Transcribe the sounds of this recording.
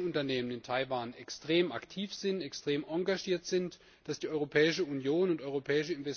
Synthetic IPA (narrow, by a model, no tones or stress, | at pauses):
ʊntɐneːmənɪntʰaɪvaːnɛkstʁ̥eːma̰ktʰiːfz̥ɪntɛkstʁ̥eːmʔɔŋɡaʒiːɐtz̥ɪnt | d̥asd̥iːʔɔʏʁopʰɛːɪʃəunjoːnʊntɔʏʁopʰɛːɪʃ̬əɪnvɛs